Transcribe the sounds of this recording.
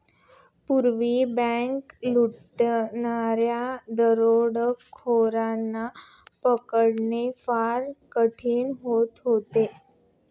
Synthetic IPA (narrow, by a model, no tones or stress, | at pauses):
puɾʋibɛ̃ŋkluʈ | naɾjad̪əɾoɽkʰoɾanːa | pəkəɽnefaɾkəʈʰiːɳɦot̪ɦot̪e